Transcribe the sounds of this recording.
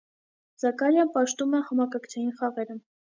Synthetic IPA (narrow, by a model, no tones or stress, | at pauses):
zɑkɑɾjɑnpɑʃt̪umɛhɑmɑkɑkt͡sʰɑjinχɑʁɛɾə